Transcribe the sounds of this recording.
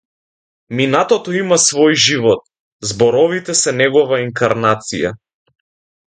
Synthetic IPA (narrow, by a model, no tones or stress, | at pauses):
minat̪ɔt̪ɔimasvɔjʒivɔt̪̚ | zbɔɾɔvit̪ɛsɛnɛɡɔvaiŋkaɾnat̪sija̰